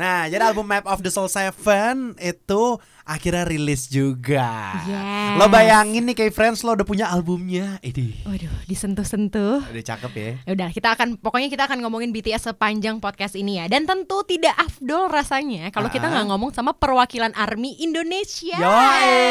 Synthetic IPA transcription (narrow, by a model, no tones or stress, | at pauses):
nad͡ʒadialbʊmːɛp̚ɔfdəsɔlsafənit̪u | ʔakiɾɲaɾilɪsd͡ʒuɡajalobajaŋɪnːɪkaifɾɛnslodahpuɲaːlbʊmɲaidiɔhdɔhdisənt̪ʊhsənt̪ʊhudat͡ʃa̰kəpja̰udalakit̪aːkanpɔkɔɲakit̪aːkanŋomɔŋɪnbit̪eɛsəpaɲd͡ʒaŋpɔt̪̚kast̪inijadant̪ənt̪ut̪idaʔafdɔlrasaɲakalokit̪aɡaʔŋomɔŋsamapərwakilanʔarmiʔindonesiaja